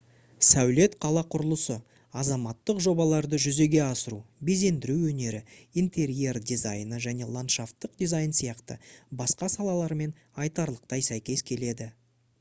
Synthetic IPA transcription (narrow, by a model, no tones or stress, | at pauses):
sæwle̞t̪qʰɑlˠɑqʰʊɾəlˠəsə | ɑzɑmɑt̪ːəqʒo̞bɑlˠɑɾd̪əʒʏze̞ɡʲe̞ɑsəɾube̞ze̞nd̪ɪɾuwwɵne̞ɾɪint̪ʰe̞ɾie̞rd̪ʲizajnəʒæne̞lˠant̪ʃaft̪ːəq̚d̪izɑjnsijɑqt̪ə̰bɑsqɑsɑlˠɑlˠɑɾme̞n | ɑjt̪ɑɾlˠəqt̪ɑjsæjkʲe̞skʲʰe̞le̞d̪ɪ